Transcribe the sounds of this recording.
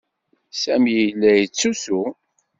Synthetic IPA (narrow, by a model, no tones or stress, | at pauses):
sæmijəlːæjət͡sːusu